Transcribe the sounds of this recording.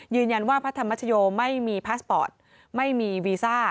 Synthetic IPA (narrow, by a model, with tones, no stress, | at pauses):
jɯː˧nja˧nwaː˥˩pʰt̪ʰːa˧mːa˦˥t̪ʰːa˧joː˧ma˥˩jmiː˧pʰaː˦˥spɔː˨˩t̪̚ | ma˥˩jmiː˧wiː˧saː˥˩